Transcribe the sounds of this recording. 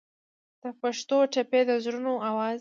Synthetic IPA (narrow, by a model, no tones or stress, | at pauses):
d̪̥əpaʂt̪oʈaped̪əzɾunoawɑz